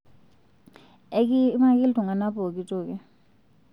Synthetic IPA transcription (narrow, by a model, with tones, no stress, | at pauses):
e˦k̬i˦ma˦k̬ʼi˦ldʱu˨ŋa˨na˦pʼɔ˨k̬ʼi˦tʼɔːk̬ɛ˦